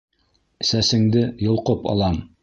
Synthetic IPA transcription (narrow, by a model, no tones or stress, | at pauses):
ɘ̆sæsɘ̆ŋd̪ɘjŏlˠqopɑ̰lˠɑm